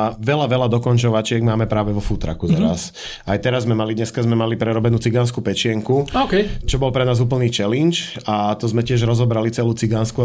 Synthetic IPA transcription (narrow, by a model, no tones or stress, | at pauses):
ʋɛlaʋɛlad̪ɔkɔnt͡ʃɔʋat͡ʃɪɛɡmaːmɛpɾaːʋɛʋɔfut̪ɾa̰kuzaɾa̰s | ʔajt̪ɛɾazmɛmalid̪ɲɛskazmɛmalipɾɛɾɔbɛnuːt͡siɡanskupɛt͡ʃɪɛŋkuɔkɛjt͡ʃɔbɔlpɾɛnaːzuːp̬l̩niːt͡ʃɛlint͡ʃat̪ɔzmɛcɪɛʒɾɔzɔbɾalit͡sɛluːt͡siɡansku